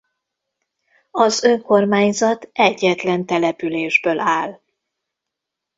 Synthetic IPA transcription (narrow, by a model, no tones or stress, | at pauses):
ɒzøŋko̞rmaːɲzɒt̪ɛɟːɛt̪lɛnt̪ɛlɛpyleːʒbøːlʔaːl